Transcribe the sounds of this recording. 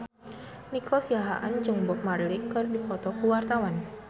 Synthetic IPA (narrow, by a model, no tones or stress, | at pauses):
nikʰɔsiaɦaʔand͡ʒɨŋbɔk̚marlɪkərdipɔt̪ɔkuwart̪awan